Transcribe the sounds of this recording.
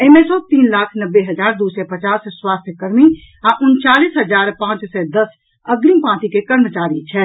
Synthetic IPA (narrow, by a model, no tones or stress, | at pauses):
əmẽsɔt̪iːnlaːkʰnəbːeɦəd͡ʒaːɾd̪uːsɛpət͡ʃaːsswaːst̪ʰjəkəɾmi | aʔʊnt͡ʃaːliːsɦəd͡ʒaːɾpãːt͡ʃsɛd̪əs | əɡɾimpãːt̪ikekəɾmət͡ʃaːɾit͡ʃʰɛː